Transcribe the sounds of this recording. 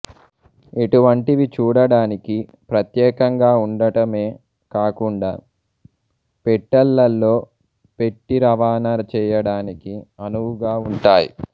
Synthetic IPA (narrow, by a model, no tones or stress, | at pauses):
eʈuʋɐɳʈiʋit͡ʃuːɽɐɽaːniki | pɾɐt̪jɛːkɐŋɡaːuɳɖɐʈɐme̞ː | kaːkuɳɖa̰ː | peʈːɐlːɐlːo̞ː | pe̞ʈːiɾɐʋaːnɐɾɐt͡ʃɛːjɐɽaːnikiɐnuʋuɡaːuɳʈaːjḭ